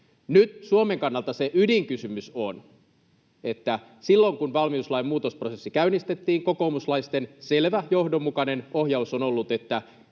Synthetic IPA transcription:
nyt̪suome̞ŋkɑnːɑlt̪ɑseʔydiŋkysymyson | e̞t̪ːæ | silːoŋkunʋɑlmiuslɑjmmuːt̪osprosesːikæynist̪e̞t̪ːiːŋko̞ko̞ːmuslɑjst̪e̞nse̞lʋæjo̞hdomːukɑne̞no̞hjɑusonolːut̪e̞t̪ːæ

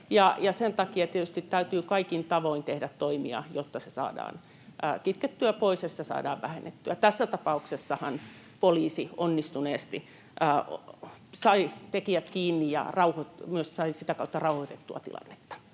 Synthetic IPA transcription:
jɑjɑsent̪ɑkiɑt̪iet̪yst̪it̪t̪æyt̪yːkɑikint̪ɑʋoint̪ehdæt̪t̪oimḭɑ̰jot̪ːɑsesɑ̰ːdɑ̰ːn | əːkit̪ket̪ːyæpoisjɑsi̥t̪æsɑ̰ːdɑ̰ːʋʋæhḛnːet̪ːyæt̪æsːæt̪ɑpɑuksesːɑhɑn | poliːsionːist̪uneːst̪i | əː | sɑit̪ekiæt̪kiːnːijjɑ̰rɑuhot̪myøssɑisit̪ækɑut̪ːɑrɑuhoit̪et̪ːuɑ̰t̪ḭlɑ̰nːe̥t̪ːɑ̥

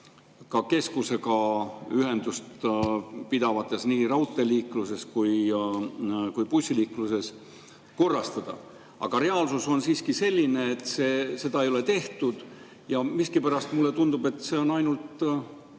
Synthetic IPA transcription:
kɑke̞skuse̞kɑyɦe̞nd̪̥ust̪ | pid̪̥ɑvɑt̪ːˑe̞sniːɾɑwt̪ˑːe̞liːkluse̞skuj | kujpusʲiliːkluse̞s | ko̞rːɑst̪ɑd̪̥ɑ̰ | ɑ̰ɡ̥ɑɾe̞ɑlsuso̞nsiːskise̞lʲːine̞ːt̪ːˑseːse̞d̪ɑejo̞le̞t̪e̞ht̪ud̪̥ | jɑmiskipæɾɑst̪mulːet̪und̪̥ube̞t̪ːˑse̞o̞nɑjnult̪

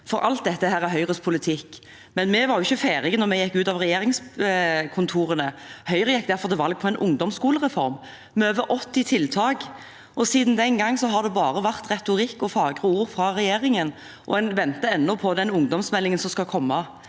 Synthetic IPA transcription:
fɔɾɑ̰lt̪̚d̪ɛt̪ːəɦæːʁæɦœʏʁəspʰʊlɪt̪ʰɪkː | mɛnmɛʋɑɾjʊɪçːəfæːɾɪɡənɔʁmɛjɛkːʉːt̪ɑʋʁɛjeːɾɪŋskʰʊnt̪ʰuːɾənəhœʏʁəjɛk̚ːd̪æʁfɔʁd̪ɛʋɑlɡ̚pʰɔɛɪnʔʊŋd̪ɔmskuːləʁɛfɔɾm | mɛøːʋəɾʔɔt̪ːɪt̪ʰɪlt̪ʰɑːɡ | ʔɔsiːd̪n̩d̪ɛnɡɑŋːsɔɦɑʁd̪ɛbɑːɾəʋæʁt̪ʁɛt̪ʊɾɪkːɔfɑːɡʁəuːɾfɾɑɾɛjeːʁɪŋən | ʔɔ̰ɛnʋɛnt̪əɛnːɔpʰɔd̪ɛnʊŋd̪ɔmsmɛlːɪŋənsɔmskɑkʰɔmːɑ

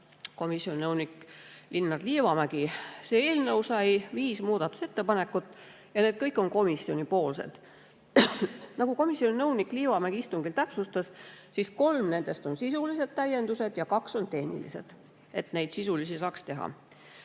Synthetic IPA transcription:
ko̞misjo̞nʲinɤwnikːlinːɑd̪liːvɑmæɡ̥ise̞ːe̞ːlnɤwsɑjviːsmuːd̪ɑt̪ːˑu̥se̞t̪ːe̞pɑne̞kːˑut̪ːˑ | jɑne̞ːd̪̚kɤjkːˑo̞nko̞misio̞nʲipo̞ːlsḛd̪̥ | nɑɡ̥uko̞misjo̞ninɤwnikːˑliːvɑmæɡiist̪uŋɡilt̪æpsust̪ɑssisko̞lmne̞nd̪̥e̞st̪o̞nsisulise̞d̪̥̚t̪æje̞nd̪use̞d̪̥jɑkɑkso̞nt̪e̞hnḭlḭse̞̰d̪̥ | e̞t̪nejd̪̥sisulisisɑːkst̪e̞ɦɑ̰

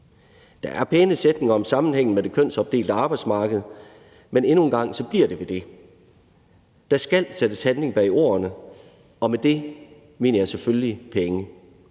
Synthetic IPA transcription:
d̥ɑʔæɐpʰeːnəsed̥ne̝ŋɐɒ̽msɑ̈mn̩heŋ̰n̩med̥e̝kʰøn̰sɒ̽b̥d̥e̝̰ːld̥əɑ̈ːb̥ɑ̈ɪdsmɑ̈ːɡ̥əð̞̩ˠ | mene̝nunɡ̥ɑ̈ŋ̰sɒ̽b̥liɐd̥e̝ʋe̝d̥e̝ | d̥ɑ̈sɡ̥æl̰sed̥əshænle̝ŋb̥ɛ̰io̝̰ːɐnə | ɒ̽med̥e̝ | me̝̰ːnɐjɑ̈ɪseføllipʰeŋə

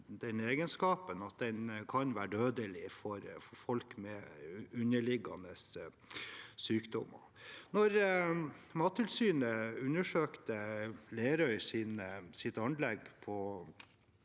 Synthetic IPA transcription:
d̪̥ɛneːɡənskɑːpənɑt̪̚d̪ɛnkʰɑnʋæːɖøːd̪əlɪfɔɾfɔɾfɔlkmɛʉnəɭɪɡːɑ̰nəs | syːkd̪ɔ̰mɑ̰ | nɔɾ | mɑt̪əlsyːnəʉnəʂøːkt̪əleːɾœʏsɪnsɪt̪ɑnlɛɡpʰɔ

